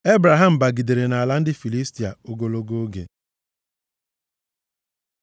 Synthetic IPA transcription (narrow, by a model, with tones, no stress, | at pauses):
e˦bɾa˨ɦa˦˨m̩˨ba˨ɡi˨de˨ɾe˨na˨la˦n̩˦dɪ˦fi˨li˦sti˨a̰˨o˨ɡo˨lo˦ɡo˦o˦ɡḛ˨